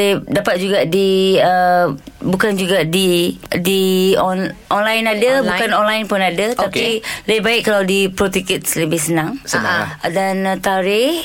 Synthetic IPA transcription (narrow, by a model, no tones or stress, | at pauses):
dapat̪̚d͡ʒuɡadiə | bukand͡ʒuɡadidiɔnʔɔnlajnadabukanɔnlajnpʊnadət̪apilahbaɪʔkkːalawdipɾot̪ikit̪̚sləbɪhsənãŋsəna̰dant̪aɾɪh